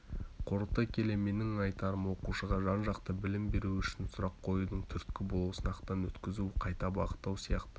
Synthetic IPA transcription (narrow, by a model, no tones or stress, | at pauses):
qʰoɾət̪ːɑkʲʰe̞le̞me̞nɪŋɑjt̪ɑɾəmwo̞quʃəʁɑʒɑnʒɑqt̪əbɪlɪmbe̞ɾuʏʃɪnsʊɾɑqʰːo̞jud̪əɴt̪ʰʏɾt̪̚kʲɪbolˠusənɑqt̪ɑnwɵt̪kʲɪzuqʰɑjt̪ɑbɑʁət̪ːɑwsijɑqt̪ə